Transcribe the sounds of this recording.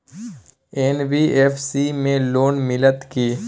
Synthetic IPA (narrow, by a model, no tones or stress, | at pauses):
eːnbiːeːfsimẽloːnmɪlət̪kiː